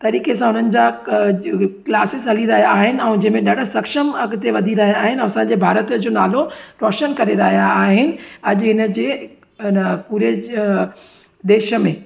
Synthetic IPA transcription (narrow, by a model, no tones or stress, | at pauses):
t̪ɐɾiːkes̬ãɦʊn̤ənɪ̆d͡ʑa | klaːsɪsɦɐliɾɐɦijaaːɦɪnɪ̆ɛ̃ũd͡ʑẽɦmẽɗɐɖ̤sɐkʃəmɐɡt̪eʋɐd̪ʱiɾɐɦijaːɦɪñːɐsãɲd͡ʑeːbʱaːɾət̪əd͡ʑoːnaːloɾɔːʃənkɐɾeɾɐɦijaːɦɪnɪ̆ɐʄʊɦɪnəd͡ʑeː | puːɾe | d̪eːʃə̆mẽː